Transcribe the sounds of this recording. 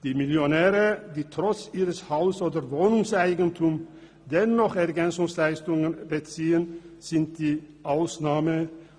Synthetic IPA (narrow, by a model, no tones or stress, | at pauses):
d̪̥iːmɪljonɛːʁəd̪iːt̪ʰʁɔt͡siːʁəshaʊsoːd̪əɾvoːnʊŋsaɪɡənt̪ʰʊm | d̪ɛnɔχɛʁɡɛnsʊŋslaɪst̪ʊŋənbət͡siːənsɪnt̪̚d̪̥iːʔaʊsnaːmə